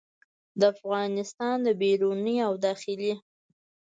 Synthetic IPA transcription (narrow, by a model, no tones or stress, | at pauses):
d̪əafɣɑnɪst̪ɑnd̪əbeɾuniawd̪ɑxɪli